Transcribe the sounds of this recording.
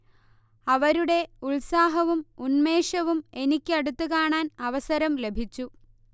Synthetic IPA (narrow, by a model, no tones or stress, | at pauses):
ɐʋɐɾuɽe̞uɭsaːɦɐʋumunme̞ːʂɐʋume̞nikʲːɐɽut̪ːukaːɳaːnɐʋɐsɐɾɐmle̞bʱit͡ɕːu